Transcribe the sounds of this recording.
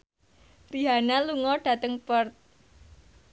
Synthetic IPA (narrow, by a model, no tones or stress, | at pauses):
piɦanaluŋɔɖ̥ä̤t̪əŋpərt̪̚